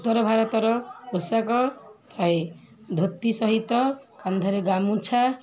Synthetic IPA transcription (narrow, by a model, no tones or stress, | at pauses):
t̪ɔɾɔbʱaɾɔt̪ɔɾɔusakɔt̪ʰaj | d̪ʱot̪ːisʌɦit̪ːɔkand̪ʱɔɾeɡamũt͡ʃʰa